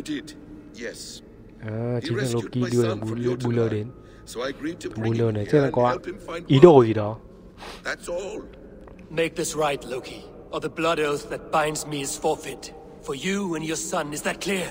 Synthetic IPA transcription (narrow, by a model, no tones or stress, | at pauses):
dɪd | jɛs | at͡ʃĩsãlokiduəlɛbulɓuləden | oɡɹibulənɛt͡ʃɛnãkɔãidoozidɔ | ðætsɔl | meɪk̚ðɪsɹaɪtˡloʊkʰi | əðɨblʌɾoʊθðɨt̚b̥ãɪ̃ndzmiɨz̥fɔɹfɪt | fə˞juə̃njə˞sʌ̃nɨzðɨt̚kʰl̥ɪɹ